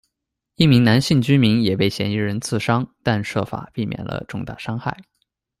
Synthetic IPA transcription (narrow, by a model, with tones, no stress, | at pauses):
i˥˩mi˧˥ŋna˧˥nɕi˥˩ŋt͡ɕy˥mi˧˥ŋjɛ˨˩pe˥˩ɪɕjɛ̰˧˥ni˧˥ɻə˧˥nt͡sʰɹ̩˥˩ʂɑ˥ŋt̪a˥˧nʂɤ̰˥˩fa̰˨˩˦pi˥˩mjɛ̰˨˩nlə̰˦ʈ͡ʂʊ˥˧ŋt̪a̰˥˩ʂɑ˥ŋxa̰˥˩ɪ